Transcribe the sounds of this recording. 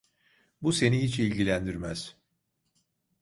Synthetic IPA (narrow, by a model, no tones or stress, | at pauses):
buse̞nihit͡ʃilʲɟilʲænd̪iɾmæz̥